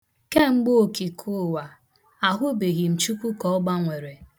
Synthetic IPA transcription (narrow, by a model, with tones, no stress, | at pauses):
ke˦ŋ͡m̩˦ɡ͡bo˦o˨ki˨kʰu˦˨wa˨ | a˨ɦʊ˦be˨ɣi˨m̩˨t͡ʃu˦kʷu˦kɔ˦ɔ˦ɡ͡ba˦ŋʷe˨ɾe˨